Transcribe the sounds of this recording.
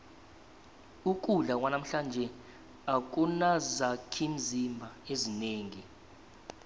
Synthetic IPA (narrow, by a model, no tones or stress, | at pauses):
uk̬ʼuɮawanam̩ɬand͡ʒʱɛ | ak̬ʼunazakʰim̩zimbʱaezineːŋi